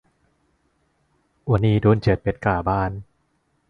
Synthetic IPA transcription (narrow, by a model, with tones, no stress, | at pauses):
wa˧niː˧duː˧nt͡ɕe˨˩t̪̚pe˦˥t̪̚kaː˨˩baː˥˩n